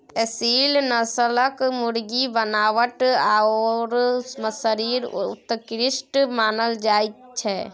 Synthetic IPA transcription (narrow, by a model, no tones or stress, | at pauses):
ɛsiːlnəsələkmʊɽɡibənaːʋəʈaoɾməsəɾiːɾt̪kɾɪʃʈmaːnəld͡ʒaːit̪t͡ʃʰɛː